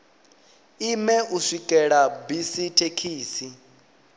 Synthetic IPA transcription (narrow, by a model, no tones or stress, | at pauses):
imɛuʂikʼɛɺabisitʰekʰiːsi